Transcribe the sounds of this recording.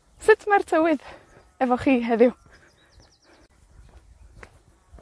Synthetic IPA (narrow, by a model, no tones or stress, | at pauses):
sɪtʰmartʰəwɪð | ɛvɔχiːɦɛðɪw